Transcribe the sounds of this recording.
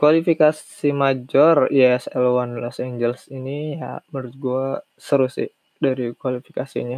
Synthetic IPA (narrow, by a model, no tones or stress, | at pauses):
kwalifikas | imad͡ʒɔrijɛsɛlwanlɔsɛɲd͡ʒɛlsinijaməɾut̪̚ɡua | səɾusɪ̰ | daɾikwalifi̥kasḭɲa